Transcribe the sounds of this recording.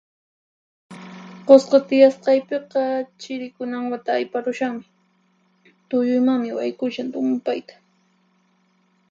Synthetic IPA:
qosqɑt̪ɪjasqɑjpeqɑt͡ʃɪɾɪkʊnaŋwat̪aːjpaɾʊʃaχmɪ | t̪ʊjʊjmaŋmɪwajkʊʃant̪ʊmʊpajt̪ḁ

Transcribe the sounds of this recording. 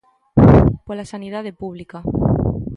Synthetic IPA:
polasanið̞aðepuβlika

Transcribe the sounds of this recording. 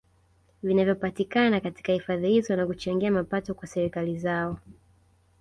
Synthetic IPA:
vinavjɔpatikanakati̥kahifaðihizɔnakut͡ʃaŋɡiamapatɔkwasɛɾikalizaɔ

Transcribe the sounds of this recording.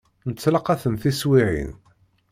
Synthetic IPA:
nət͡sːlɑqæθənθiswiʕḭn

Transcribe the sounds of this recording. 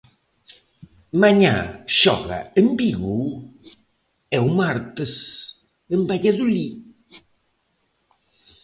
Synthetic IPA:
maɲa̰ʃɔ̰ɣɐ̰embiɣu | ɛwmaɾt̪əs | əmbaʎaðuli

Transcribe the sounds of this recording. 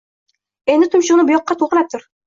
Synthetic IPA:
e̞nd̪ɪt̪ʰʊmʃʊʁnɪbʊjɒqːɑt̪ʰoʁlˠap̚t̪ʰʊɾ

